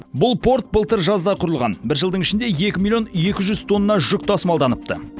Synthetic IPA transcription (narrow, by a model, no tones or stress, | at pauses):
bʊlˠpʰo̞rt̪̚bəlˠt̪əɾʒɑzd̪ɑqʰʊɾəlˠʁɑ̰nbɪɾʒəlˠd̪əɴɪʃɪnd̪e̞je̞kʲɪmilʲˠijo̞nje̞kʲɪʒʏz̥t̪ʰo̞nːɑʒʏk̚t̪ʰɑsəmɑlˠd̪ɑnəp̚t̪ə̰